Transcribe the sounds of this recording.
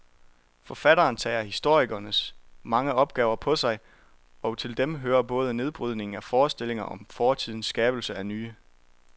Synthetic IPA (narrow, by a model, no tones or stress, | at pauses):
fɒ̽fæɾ̥ɐːnt͡sʰɛ̰ːɐhisd̥o̝ɐ̰iɡ̥ɐnəsmɑ̈ŋəɒ̽b̥̚ɡ̥ɛ̰ːʊɐpʰɒ̽sɑ̈ɪ | ɒ̽t͡sʰe̝ld̥emɦøːɐb̥ɔ̽ːð̞ˠəne̝ð̞ˠb̥ʁyð̞̰ˠne̝ŋŋ̩æfɒːsd̥e̝l̰e̝ŋɐʔɒ̽mfɒːt͡sʰið̞̰ˠn̩sːɡ̥ɛːb̥l̩səænyː